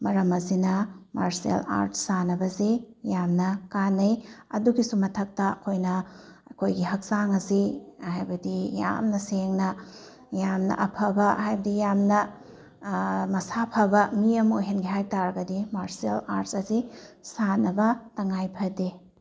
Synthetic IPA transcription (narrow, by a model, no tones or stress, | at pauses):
mɐɾɐmɐzinɐmaɾsiḛla̰ɾtsanɐbɐzijamnɐkanɐjɐduɡisumɐtʰɐk̚tɐɐkʰojnɐɐkʰojɡiɦɐk̚zaŋɐzihajbɐdija̰mnɐseŋnɐ | jamnɐ̰ʔɐpʰɐbɐhajbɐdijamnɐ | mɐsapʰɐbɐmiɐmojɦenɡiɦajtaɾɐɡɐdimaɾsiela̰ɾtsɐzisanɐbɐtɐŋajpʰɐdi